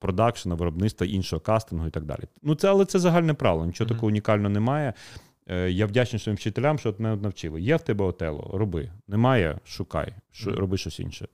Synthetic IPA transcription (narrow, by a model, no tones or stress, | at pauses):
pɾɔd̪ɑkʃɐnɐʋɪɾɔbnɪt̪st̪ʋɐʔinʃɔɦɔkɑst̪ɪnɦʊit̪ɐɡ̚d̪ɑ̰lʲḭnut̪sɛɐlˠɛt̪sɛzɐɦɑlʲnɛpɾɑ̰ʋelˠɔnʲit͡ʃɔɦɔt̪ɐkɔɦɔʊnʲikɑlʲnɔɔnɛmɑjɛ | jawdʲat͡ʃnʲɪjsɔimwt͡ʃɪt̪elʲamʃt͡ʃɔt̪mɛɔt̪nɐwt͡ʃɪlˠɪ̰jɛwt̪ɛbɛɔt̪ɛ̰lˠɔ̰ɾɔbɪ̰nɛmɑjɛ̰ʃʊkɑ̰jʃɔrɔbɪʃt͡ʃɔsʲḭnʃɛ̰